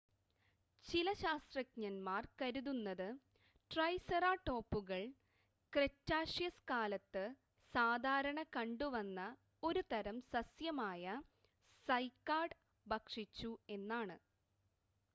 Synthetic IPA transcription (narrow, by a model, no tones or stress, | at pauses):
t͡ɕilɐɕaːst̪rɐkɲɐnmaːrkɐɾuðunːɐðɨ | ʈrɐjsɐraːʈːo̞ːpːuɣɐɭ | kretːaːʂjɐskaːlɐt̪ːɨ | saːd̪ʱaːɾɐɳɐkɐɳɖuʋɐnːɐ | o̞ɾut̪ɐɾɐmsɐsjɐmaːjɐ | sɐjkːaːɖ | bɐkʂit͡ɕːue̞nːaːɳɨ